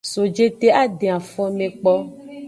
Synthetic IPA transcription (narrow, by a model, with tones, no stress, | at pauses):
so˨d͡ʒe˦t̪e˦a˦ɖe˨a˨fɔ˦mẽ˨k͡pɔ˦